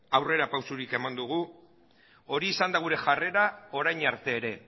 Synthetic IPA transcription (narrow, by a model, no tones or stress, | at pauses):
awre̞ɾapawsuɾike̞mand̪uɣ̞u | o̞ɾiːsand̪aɣuɾe̞ʝare̞ɾao̞ɾajɲaɾt̪e̞ːɾe̞